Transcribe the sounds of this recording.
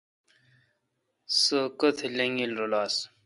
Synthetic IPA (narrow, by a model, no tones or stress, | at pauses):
səkət̪ʰeleŋɡilɾolaːs